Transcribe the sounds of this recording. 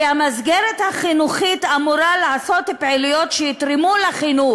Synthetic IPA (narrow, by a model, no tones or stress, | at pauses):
amazɡeɾethaχinuχitamuɾalaːso̞t̪hipʕelijo̞tʃejit̪ɾimuleχinu